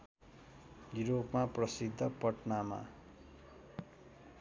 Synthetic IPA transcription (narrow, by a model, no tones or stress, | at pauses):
juɾopmaprʌsid̪ʱːʌpʌʈnama̰